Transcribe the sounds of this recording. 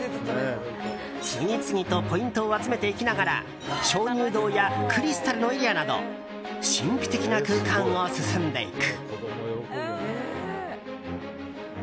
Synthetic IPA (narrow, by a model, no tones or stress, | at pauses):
ɕiɲ̟it͡sɨɲ̟it̪o̞po̞ĩnt̪o̞ːat͡sɨme̞t̪e̞ikʲinaɡaɾa̰ | ɕo̞ːɲ̟ɨːd̪o̞ːjakɯ̟ɾʲisɨ̥t̪aɾɯ̟no̞eɾʲianad̪o̞̰ | ɕĩmpɯ̟̥t̪e̞kʲinakɯ̟ːkãŋosɨsɨ̃nd̪e̞̰ḭkɯ̟̥oojoko